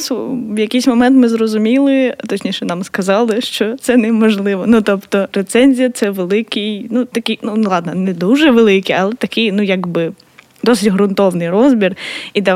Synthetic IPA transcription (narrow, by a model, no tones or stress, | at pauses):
suʋjɐkɪjsʲmɔmɛnt̪mɪzrɔzʊmʲilˠɪt̪ɔt͡ʃʲnʲiʃɛnɑmskɐzɑlˠɪʃt͡ʃɔt̪sɛnɛmɔʒlˠɪʋɔnut̪ɔpt̪ɔɾet̪sɛnʲzʲijɐt̪sɛʋelˠɪkɪjnut̪ɐkɪjnunlˠɑd̪nɐnɛd̪uʒɛʋelˠɪkɪjɐlˠɛt̪ɐkɪjnujaɡbɪ | d̪ɔsɪtʲɦɾʊnt̪ɔwnɪjrɔzbʲirid̪ɐ